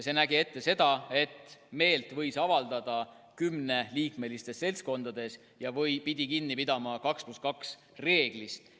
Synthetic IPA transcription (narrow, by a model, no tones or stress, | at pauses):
se̞næɡie̞t̪ːe̞se̞d̪̥ɑe̞t̪ːˑme̞ːlt̪vɤ̞jsɑvɑld̪̥ɑd̪̥ɑ | kymne̞liːkme̞list̪e̞sse̞lsko̞nd̪̥ɑd̪̥e̞s | jɑvɤjpid̪̥ʲikinːipid̪ɑmɑkɑkspluskɑks | re̞ːɡ̥list̪